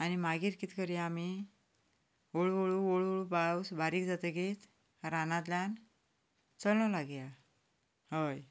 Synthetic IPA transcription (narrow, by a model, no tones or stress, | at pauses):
animaɡiːɾkit̪kəɾiami | oɭoɭuoɭuoɭupaɭwsbʱaɾiːkd͡zat̪əɡet̪ | ɾanãt̪̬ljan | t͡səlnɔlaɡja | həj